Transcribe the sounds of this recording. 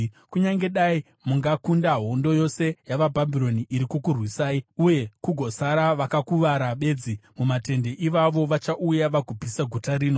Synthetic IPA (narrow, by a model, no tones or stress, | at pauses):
kuɲaŋɡe̞ɗai | muŋɡakundaɦo̞ndo̞jo̞se̞jaʋabʱabʱiɾo̞niʔiɾikukurwisaːiuje̞kuɡʱo̞saɾaʋakakuʋaɾaɓe̞ːd͡zimumate̞nde̞ʔiʋaʋo̞ʋat͡ʃaʔujaʋaɡʱubʱisaɡʱotaɾiːno̞